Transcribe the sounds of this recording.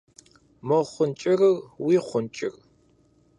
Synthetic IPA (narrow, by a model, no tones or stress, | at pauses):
mɐʁχʷʊnt͡ʃʼɪrɨrwiːχʷʊnt͡ʃʼɪ̰r